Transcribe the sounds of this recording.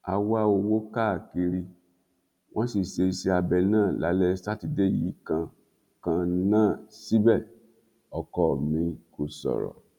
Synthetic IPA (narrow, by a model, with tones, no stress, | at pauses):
a̰˧wa˦o˧wo˦ka˦˨ke˧ɾi˧ | w̃ɔ̃˦si˨ʃe˧se˧˦a˧bɛ˧nãː˦˨la̰˨˦lɛ˦sa˦ti˧de˦˨jḭ˨˦kã˧ | kã˧nãː˦˨si˦bɛ˦˨ | ɔ˨kɔ˦˨mĩ˧ko˧sɔ̰˨ɾɔ̰˨